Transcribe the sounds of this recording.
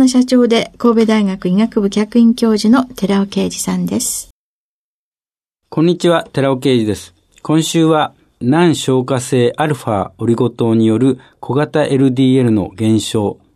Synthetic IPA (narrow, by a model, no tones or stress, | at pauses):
noɕat͡ɕo̞ːd̪e̞ko̞ːbe̞d̪aiɡakɯ̟iŋakɯ̟bɯ̟kʲakɯ̟ĩŋkʲo̞ːʑino̞t̪e̞ɾaoke̞ːd͡ʑisãnd̪e̞sɨ̥ | kõ̞ɲ̟ːit͡ɕiβat̪e̞ɾaoke̞ːd͡ʑid̪e̞sɨ̥ | kʰõ̞ɰ̃ɕɨːβa | nãɰ̃ɕo̞ːkase̞ːʔaɾɯ̟ɸao̞ɾʲiɡo̞t̪o̞ːɲ̟ijo̞ɾɯ̟ | kʰo̞ɡat̪aʔe̞ɾɯ̟d̪ʲiːe̞ɾɯ̟no̞̰ɡẽ̞ɰ̃ɕo̞ː